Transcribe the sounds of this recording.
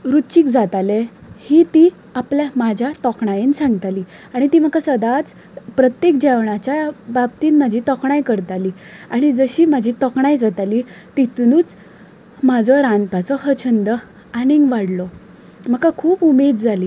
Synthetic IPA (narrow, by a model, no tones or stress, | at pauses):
ɾut͡ɕikd͡zat̪alehit̪i | apljamad͡ʑʱjat̪ɔkɳajensãŋɡt̪aliː | aɽ̃it̪iːm̤əkasəd̪at͡s | pɾət̪jek̚d͡ʑɛʋɳat͡ɕjabab̚t̪iːnmad͡ʑʱit̪ɔkɳajkəɾt̪aliːaɽ̃id͡zəɕiːm̤ad͡ʑʱit̪ɔkɳajd͡zat̪aliː | t̪it̪unuːt͡s | mad͡zʱɔɾãnp̪at͡sɔhət͡ɕʰənd̪ə | aniŋɡʋaɽlɔ | m̤əkakʰuːpumed̪̚d͡zʱaliː